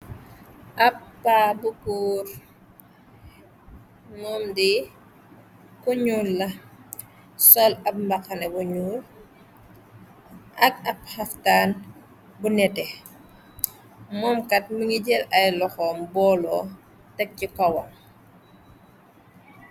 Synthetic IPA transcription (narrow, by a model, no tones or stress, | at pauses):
ʔɐpːaːbukuːɾ | mɔːmdi | kuɲuːlːɐ | sɔlɐp̚mbɐkːɐnɛbuɲuːl | ʔɐk̚ɐp̚hɐftaːn | bunɛtɛ | mɔːmkɐt̚muŋiɟɛlɐjlɔxɔːmbɔlɔ | tɐk̚cikɐwɐ̰m